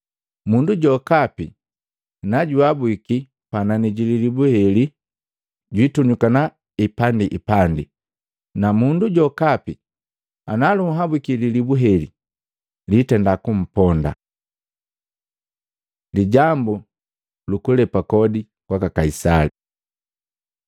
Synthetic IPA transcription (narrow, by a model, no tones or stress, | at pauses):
munduɟɔkapi | naɟuabwiki | pananiɟililibuhɛli | ɟwituɲukana | ipandiʔipandḭ | namunduɟɔkapi | analuɦabwikililibuɦɛlḭ | litɛndakum̩pɔnda̰ | liɟambu | lukulɛpakɔdi | kwakakaisali